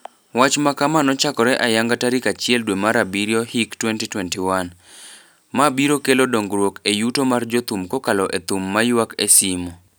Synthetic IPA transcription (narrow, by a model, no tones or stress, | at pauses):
wat͡ʃmakamanɔt͡ʃakɔɾɛʔajaŋɡataɾikat͡ʃɪɛldwemaɾabiɾjɔhiktwɛntitwɛntiwan | mabiɾokelodoŋɡɾwokejutomard͡ʒot̪umkokalɔʔet̪umːajwakesimɔ